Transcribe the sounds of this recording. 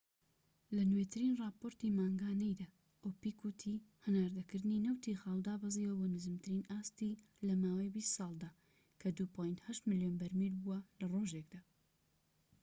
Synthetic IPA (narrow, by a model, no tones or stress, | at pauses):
lɐnwet̪ʰɨɾinrɑːpoɾt̪imaːŋɡaːnɐjd̪aː | ʔopikʰut̪ʰihɨnaːɾd̪ɐkɨɾd̪ɨninɐwt̪ʰixaːld̪aːbɑziwɐbonɨzɨmt̪ʰɨɾinaːst̪i | lɐmaːwɐjbist̪sɑːlˠd̪aː | kʰɐd̪upʰojnd̪hɐʃt̪mɨljonbɐɾmilbuwɐlɐroʒek̚d̪aː